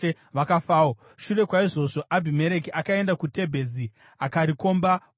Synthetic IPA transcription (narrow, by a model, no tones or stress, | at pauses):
ʋakafaːo | ʃure̞kwaiʐo̞ʐo̞ʔabʱime̞ɾe̞kiʔakae̞ndakute̞bʱe̞zi | akaɾiko̞mba